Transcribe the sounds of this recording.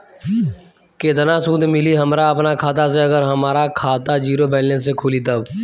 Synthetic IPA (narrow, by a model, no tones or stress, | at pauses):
keːd̪ənasuːd̪mɪliɦəmɾaɐpnakʰaːt̪aseɐɡəɾɦɐmaːɾakʰaːt̪ad͡ʒiːɾobɛːlːẽsekʰuːlit̪əb